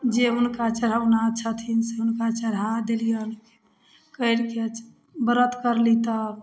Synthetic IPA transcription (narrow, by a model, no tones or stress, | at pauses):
d͡ʒeʊnkat͡ʃəɾ̤anaətːʃʰat̪ʰinseunkat͡ʃəɾad̪elijaunke̥ | kəɽkeə | bəɾət̪kəɾlit̪ə